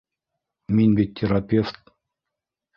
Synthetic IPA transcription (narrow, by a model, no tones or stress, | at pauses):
mʲinʲbit̪ʲːeɾapʲeft̪